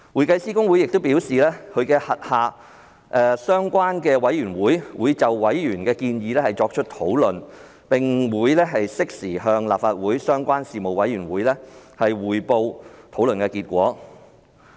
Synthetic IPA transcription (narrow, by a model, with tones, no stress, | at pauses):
wuː˨˩jkɐ˧jsiː˥kʊ˥ŋwu˨˥jɪ˨k̚t̪o˥wpiː˨˥wsiː˨lɛː˥kʰɵ˨˧ɥkɛː˧hɐ˨t̚haː˨˩ | ʔɛː˧sœː˥ŋkʷaː˥nkɛː˧wɐ˨˥jɥyː˨˩nwuː˨˥jwuː˨˧jt͡sɐ˨wːɐ˨˥jɥyː˨˩nkɛː˧kiː˧njiː˨˧lɛː˥hɐ˨jt͡sɔː˧k̚t͡ʃʰɵ˥t̚t̪ʰo˨˥wlɵ˨n | pɪ˨˩ŋwuː˨˧jlɛː˥ɦɐ˨jsɪ˥k̚siː˨˩ɦœː˧ŋla̰ː˨p̚faː˧t̚wuː˨˥jsœː˥ŋkʷaː˥nsiː˨mo˨wɐ˨˥jɥyː˨˩nwuː˨˥jlɛː˥hɐ˨jwuː˨jpo˧wt̪ʰo˨˥wlɵ˨nkɛː˧kiː˧t̚kʷɔ̰ː˨˥